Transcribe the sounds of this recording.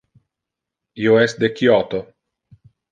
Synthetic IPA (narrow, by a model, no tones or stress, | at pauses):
ioɛsd̪ekjɔt̪o